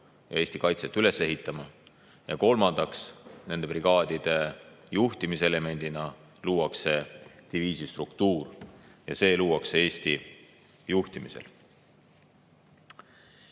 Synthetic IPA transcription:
jɑ̰e̞ːsʲt̪ikɑjt̪set̪ːˑyle̞se̞ɦit̪ˑːɑmɑ | jɑ̰ko̞lmɑnd̪̥ɑksne̞nd̪e̞priɡ̥ɑːd̪̥id̪̥e̞juht̪imiseele̞me̞nʲd̪̥inɑ | luːwɑkse̞d̪̥iviːsist̪rukt̪uːr | jɑ̰se̞ːluːwɑksee̞ːst̪i | juht̪imisḛl

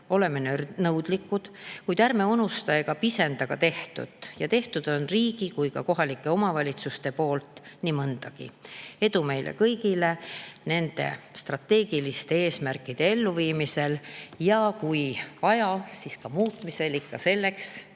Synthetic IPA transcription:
o̞le̞menønɤwd̪likːˑud̪̥kujd̪̥æɾme̞unust̪ɑeɡ̥ɑpise̞nd̪ɑɡ̥ɑt̪e̞ht̪ṵd̪̥jɑt̪e̞ht̪ud̪̥o̞nriːɡ̥ikujkɑko̞ɦɑlikːˑe̞o̞mɑvɑlʲit̪sust̪e̞po̞ːlt̪ˑnimɤnd̪̥ɑɡ̥ḭe̞d̪ume̞jlʔḛkɤjɡile̞ne̞nd̪̥e̞̰st̪rɑt̪ːe̞ːɡ̥ilist̪ee̞ːsmærkːˑid̪̥e̞e̞lːuviːmise̞ljɑkujvɑjɑsiskɑmuːt̪mise̞likːɑse̞lːe̞ks

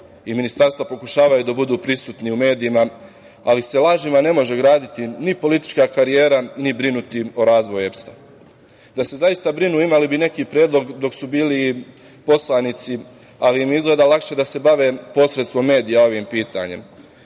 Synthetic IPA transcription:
iminist̪aɾst̪ʋapo̞kuʃaːʋajud̪abud̪uːpɾisuːt̪niume̞ːd̪iima | alise̞laːʒimane̞mo̞ʒeɡɾaːd̪it̪inipo̞lit̪i̥t͡ʃkakaɾije̞ːɾanibɾinut̪io̞ɾaːzʋo̞jue̞pst̪a | d̪ase̞zajist̪abɾinuːimalibine̞kiːpɾjeːd̪lˠo̞ɡd̪o̞ksubiːli | po̞slanit̪si | aliimizɡle̞d̪alakʃed̪ase̞baʋe̞ːpo̞sɾet̪st̪ʋo̞mːe̞ːd̪ijao̞ʋiːmpiːt̪a̰ɲe̞̰m

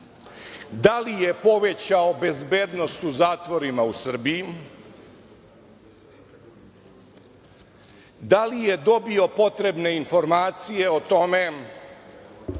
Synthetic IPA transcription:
d̪alije̞po̞ʋet͡ɕaobe̞zbeːd̪no̞st̪uzaːt̪ʋo̞ɾimausr̩biji | d̪alije̞d̪o̞bio̞po̞t̪ɾe̞bne̞info̞ɾmaːt̪sije̞ot̪o̞me̞

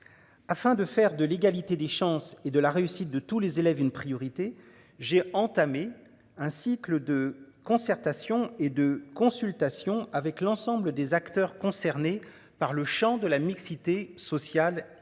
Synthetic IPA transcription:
afɛ̃d̪əfɛʁd̪əleɡalit̪ed̪eʃɑ̃sed̪əlaʁeysit̪̚d̪ət̪ulezelɛvynpχijɔʁit̪e | ʒeɑ̃t̪ame | ɛ̃sikləd̪əkɔ̃sɛʁt̪asjɔ̃ed̪əkɔ̃sylt̪asjɔ̃avɛklɑ̃sɑ̃bləd̪ezakt̪œʁkɔ̃sɛʁne | paʁləʃɑ̃d̪əlamiksit̪esɔsjal

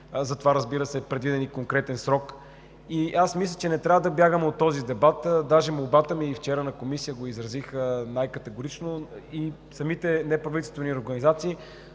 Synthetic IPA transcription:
zɐt̪ovaɾɐzbiɾəsɛpɾɛd̪vid̪ɛnikoŋkɾɛt̪ɛnsɾɔk | iasmislʲət͡ʃɛnɛt̪ɾʲavəd̪ɐbjaɡəmɛot̪ːɔzid̪ɛbat̪d̪aʒɛmolˠbat̪əmiːft͡ʃɛɾənɐkomisijəɡoizɾɐzixənajkət̪ɛɡoɾit͡ʃnoi | sɐmit̪ɛnɛpɾɐvit̪ɛlst̪vɛnioɾɡɐnizat̪siː

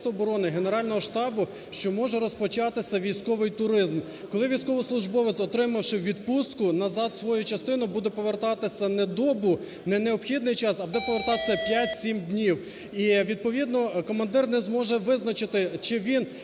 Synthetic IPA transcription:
t̪ʊɔbɔɾɔnɪɦe̞neɾɑlʲnɔɦɔʃt̪ɑbʊ | ʃt͡ʃɔmɔʒɛɾɔspɔt͡ʃɑt̪ɪsʲɐʋʲijsʲkɔʋɪjt̪ʊɾɪzm | kɔlˠɪʋʲijsʲkɔʋɪslˠʊʒbɔʋesʲɔt̪ɾɪmɐwʃɪwʋʲid̪pust̪kʊnɐzɑd̪sʋɔjut͡ʃɐst̪ɪnʊbud̪ɛpɔʋert̪ɑt̪ɪsʲɐnɛd̪ɔbʊ | nɛneɔpxʲid̪nɪjt͡ʃɑsɐbud̪ɛpɔʋert̪ɑt̪ɪ̥sʲɐpʲjatʲsʲimd̪ʲnʲiw | iʋʲid̪̚pɔʋʲid̪nɔkɔmɐnd̪ɪrnɛzmɔʒɛʋɪznɐt͡ʃɪt̪ɪt͡ʃɪʋʲin

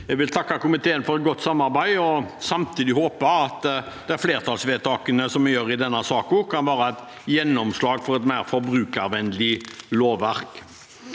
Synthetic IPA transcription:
jɛɡʋɪlt̪ʰɑkːɑkʊmɪt̪ʰeːənfɔɾɛt̪̚ɡɔt̪ːsɑmːɑɾbæɪɔsɑmt̪ʰiːd̪ɪhoːpəɑt̪ | d̪̥ɛæɾfleːʁt̪ʰɑːlsʋeːt̪ʰɑːkənəsɔmːɛjøːɾɪd̪ɛnːɑsɑːkʊkʰɑnʋæːɾɑɛt̪ | jɛnːɔmslɑːɡfɔɾɛt̪mæɪɾfɔɾbɾʉːkɑɾʋɛnlɪloːʋːæʁk

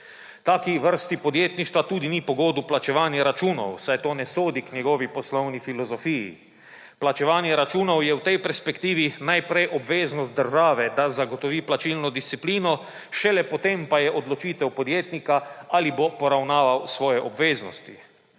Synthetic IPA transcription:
t̪aːkiʋəɾst̪ipɔd̪jeːt̪niʃt̪ʋat̪uːd̪inipɔɡoːd̪uplat͡ʃɛʋaːnjaɾat͡ʃuːnɔ̰wsajt̪oːnɛsoːd̪iknʲjɛɡɔːʋipɔslɔwnifilɔzɔfiːjḭ | plat͡ʃɛʋaːnjɛɾat͡ʃuːnɔwjɛwt̪ɛjpɛɾspɛkt̪iːʋinajpɾɛjʔɔbʋeːznɔst̪̚d̪əɾʒaːʋɛd̪azaɡɔt̪ɔʋiːplat͡ʃilnɔd̪ist̪sipliːnɔ | ʃɛlɛpɔt̪empajɛʔɔd̪lɔt͡ʃiːt̪ɛwpɔd̪jeːt̪nikaalibopɔɾawnaːʋawsʋɔːjɛʔɔbʋeːznɔ̰st̪i

